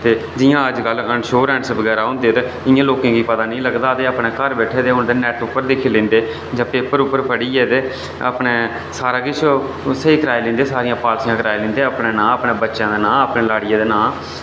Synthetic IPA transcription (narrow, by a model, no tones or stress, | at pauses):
t̪eːd͡ʒɪjãːəd͡ʒkəlːəɳʃoːɾɛ̃ːɳsbəɡɛːɾaːɦõːnd̪eːt̪eː | ɪjãːloːkẽːkiːpət̪aːnĩːləɡd̪aːt̪eːəpneːkəɾbɛːʈʰeːd̪eːɦʊ̃nd̪eːnɛːʈʊpːəɾd̪ekʰeːlẽːnd̪eː | d͡ʒãːpeːpəɾʊpːəɾpʰəɽiːɛːt̪eː | ə̰pɳeː | saːɾãːkɪt͡ʃʰ | səiːkəɾaːeːlẽːnd̪eːsaːɾɪjãːpaːlsijãːkəɾaːelẽːnd̪eːəpneːnãːəpneːbətːʃãːd̪eːnãːəpneːlaːɽɪjãːd̪eːnãː